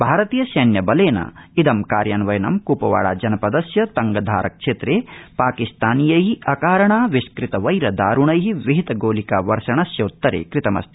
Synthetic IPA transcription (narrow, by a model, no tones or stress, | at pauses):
bʱaːɾɐt̪iːjɐʃɐːnjɐbɐleːnɐ̰id̪ɐmkaːɾjaːnʋɐjɐnɐ̰mkuːpɐʋa̰ːɽa̰ːd͡ʒɐnɐpɐd̪ɐsjɐt̪ɐŋɡɐd̪ʱa̰ːɾʔɐ̰kʂeːt̪ɾeːpaːkist̪aːnijɐɦiʔɐkaːɾɐɳaːʋiskɾit̪ɐʋɐjɾɐd̪aːɾuɳɐjɦiʋiɦit̪ɐɡoːlikaːʋɐɾʂɐɳɐsjɐut̪ːɐɾḛːkɾit̪ɐmɐ̰st̪ʰi̥